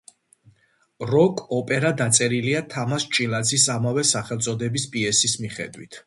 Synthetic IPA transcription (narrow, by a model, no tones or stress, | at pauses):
ɾɔkʼɔpʼɛɾad̪at̪sʼɛɾiliat̪ʰamast͡ʃʼilˠat̪sʰisamavɛsaχɛlˠt̪sʼɔd̪ɛbispʼiɛsismiχɛ̰d̪wit̪ʰ